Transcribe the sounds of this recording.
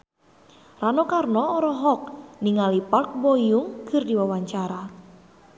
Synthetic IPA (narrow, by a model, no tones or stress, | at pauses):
ranɔkarnɔɔɾɔɦɔk̚niŋalipark̚bojuŋkɨ̤rdiwawaɲt͡ʃaɾa